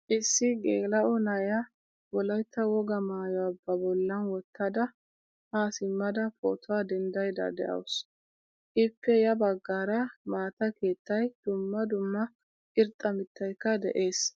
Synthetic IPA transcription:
ʔɪsːɪɡeːlɐʔɔnɐjɐ | wɔlɐjt̪ːɐwɔɡɐmaːjɔɐbːɐbɔlːɐnwɔt̪ːɐd̪ɐ | haːsɪmːɐd̪ɐpʰʼo̰ːt̪ʰɔwad̪ɛnd̪ɐjd̪ɐ̰d̪ɛʔɐ̰ws | ʔɪpːɛjɐbɐɡːaːɾɐmaːt̪ɐke̞ːt̪ːɐjd̪̥ʊmːɐd̪ʊmːɐ | ɪɾt̪ʼːɐmɪt̪ːɐjkːɐd̪ɛ̰ʔe̞ːs

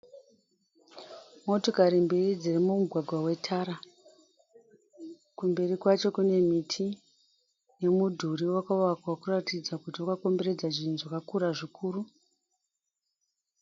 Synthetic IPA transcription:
mo̞to̞kaɾimbirid͡zirimumuɡʱwaɡʱwawe̞tʰaɾa | kumbe̞rikwat͡ʃo̞kune̞mitʰi | ne̞mudʱuriwakauwakwakuratid͡zakutiwakako̞mbe̞ɾe̞d͡zaʐinzakakuɾaʐikʰuːru

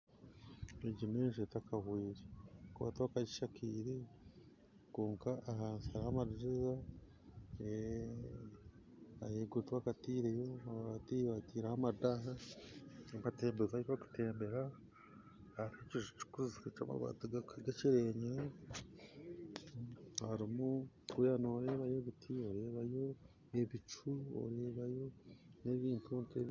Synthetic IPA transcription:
eɟimeːʒetakʰahwiːɾekuβa̰tβakaɟiʃakiːɾe | koːŋkaʔahaːnsaɾahamaɾiɾiza | e | ajeːɡutwakatiːɾejoaatiːβatiːɾahamadaɦa | amateːmbezaiɾaku̥te̞ːmbeɾa | haɾhaciʃt͡ʃu̥kuziet͡ʃa̰ma̰βa̰tuɡakɡaciɾeːɲeɾe | haɾimu | ujanoːɾe̞ːβajoβitʰioɾe̞ːβajo̞ | eβit͡ʃuo̰ɾeːβajo̞ne̞βiːntuunte

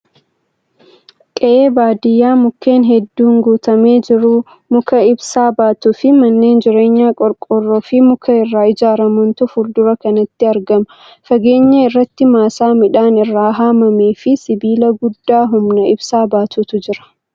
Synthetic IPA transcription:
kʼɛʔeːbaːd̪ɪjːaːmʊkːe̞ːnɦɛd̪ːuːŋɡuːt̪ɐme̞ːd͡ʒɪɾʊ | mʊkɐɪbsaːbaːt̪ufɪmɐnːe̞ːnd͡ʒɪɾe̞ːɲːaːkʼɔɾkʼɔrːɔfɪmʊkʰɐɪrːaːɪd͡ʒaːɾɐmʊnt̪ʊfʊɾd̪ʊɾɐkɐnɐt̪ːɪɐɾɡɐmɐ | fɐɡe̞ːɲːɐɪrːɐt̪ːɪmaːsaːmɪᶑaːnɪrːaːɦaːmɐmeːfɪsɪbiːlɐɡʊd̪ːaːɦʊmnɐɪbsaːbaːt̪ʊt̪ʊd͡ʒɪɾɐ̥

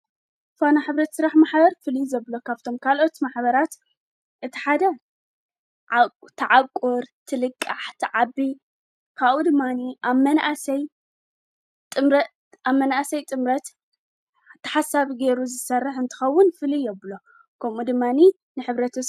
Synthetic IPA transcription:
fanaħɨβɾɐt̪sɨɾaħmaħbɐɾfɨlizɐβlo̞kʰaβt̪ʰo̞mkʰalo̞t̪maħbɐɾat̪ | ʔɨt̪ʰi̥ħad̪ɐ | ʕt̪ʰaʕakʼːoɾt̪ʰɨlɨkʼːaħt̪ʰɨʕabːi | kʰaβud̪ɨmːaniamɐnʔasɐj | t̪ʼɨmɾɐ | amːɐnʔasɐjt̪ʼɨmɾɐt̪ | t̪ʰːɐ̥ħasaβiɡe̞ɾuzɨsɐrːɨħɨnt̪ʰɨ̥xɐwːʊnfɨlijɛβlo̞ | kʰɐmud̪ɨmːani | nɨħɨβɾɐt̪ʰ

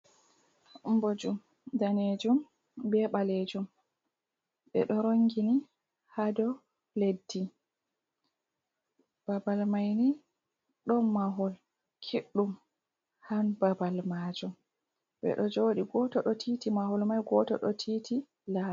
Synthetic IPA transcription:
mbod͡ʒum | daned͡ʒum | bɛɓaled͡ʒum | ɓɛ̰ɗɔɾoŋɡini | hadɔ | ledːi | b̥abalmajni | ɗɔmaɦɔl | kʰiɗːum | hanbabalmaːd͡ʒum | bɛ̰ɗɔd͡ʒoːɗiɡɔtɔɗɔtʰiːtimahɔlmajɡɔtɔ̰ɗɔtʰiːtʰi | la

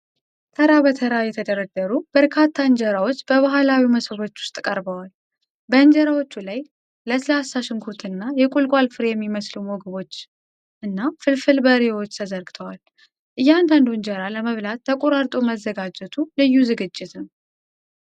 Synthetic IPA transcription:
t̪ʰəɾaβət̪ʰəɾajɛt̪ʰəd̪əɾəd̪əɾub̥əɾkʰat̪ʰːaɨɲd͡ʒəɾawo̞t͡ʃːb̥əβaɦalawiməsəβo̞t͡ʃːwʊ̥st̪ʼkʼəɾbəwal | bəɨnd͡ʒəɾawo̞t͡ʃːulaj | ləslasːaʃɪŋkʰuɾt̪ʰɨnːajɛkʼulkʼalfɨɾjɛmːiməslumɔɡəβo̞t͡ʃː | ʔɨnːafɨlfɨlbəɾewo̞t͡ʃːt̪ʰəzəɾɡɨt̪ʰəwal | ʔɨjːand̪and̪uɨnd͡ʒəɾaləməβlat̪ʰːəkʼoɾaɾt̪ʼoməzːəɡad͡ʒɛt̪ʰulɨjːuzɨɡɨd͡ʒːɪt̪ʰɨm

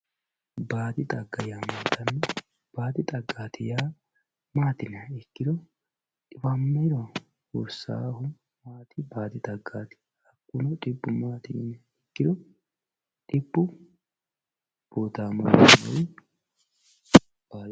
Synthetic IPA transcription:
baːd̪ɪt̪ʼɐɡːɐjaːmaːt̪ɐnːɐ | b̥aːd̪ɪt̪ʼɐɡːaːt̪ɪjaː | maːt̪ɪnɐɛkːɪd̪ɔ | t̪ʼɪfamːɐd̪ɔ | ɔ̰ɾsa̰ːhʊ | maːt̪ɪbaːd̪ɪt̪ʼɐɡːaːt̪ɪ̥ | ɐkːʊnɔt̪ʼɪbːʊmaːt̪ɪnɐ | ɛkːɪd̪ɔ | t̪ʼɪbːʊ | b̥oːt̪aːmɐmɐ̰w | b̥aː

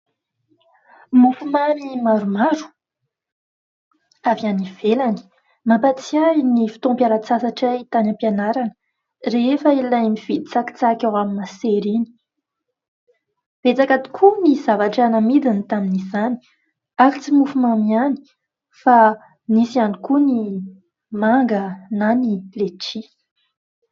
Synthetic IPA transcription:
mufumamimaɾumaɾu̥ | avianiv̥elani̥ | mapat͡siajnifi̥t̪õmpjaɾat͡sasaʈ͡ʂait̪anampianaɾanə | refəilajmiv̥id̪it͡saki̥t͡sakawaminaseɾini̥ | v̥et͡sakat̪i̥kʰumizavaʈ͡ʂanəmid̪init̪aminizani̥ | aɾit͡simufumamiani̥ | fa | nisianikuni | maŋɡənanileʈ͡ʂi

